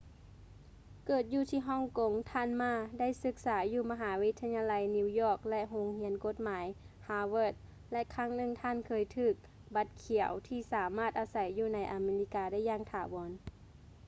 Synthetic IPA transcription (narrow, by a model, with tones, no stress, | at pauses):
kɤː˨˩t̪̚juː˧t̪ʰiː˧ɦɔː˧˥˨ŋko˨˦ŋt̪ʰaː˧˥˨nmaː˧˩da˥˩˨jsɯ˧˥k̚saː˩˦juː˧˩ma˧ɦaː˩˦wi˦˧˥t̪ʰːa˧ɲaː˧la˧˦jni˧wjɔː˧˩k̚lɛ˧ʔɦo˧ŋhi˧˥ənko˧˦t̪̚maː˨˩˦j | haː˧wɤː˧˥˩t̪̚ | lɛ˧ʔkʰa˧˥˩ŋnɯ˧˩ŋt̪ʰaː˧˥˨nkʰɤː˧˩jt̪ʰɯː˧˩k̚ | ba˧˦t̪̚kʰi˨˩˦əwt̪ʰiː˧˩saː˩˦maː˥˩t̪̚ʔaː˧sa˨˦jːuː˧˩na˧˦jʔa˧meː˧li˧˥kaː˧da˥˩jːaː˧ŋt̪ʰaː˨˩˦bɔː˨˦n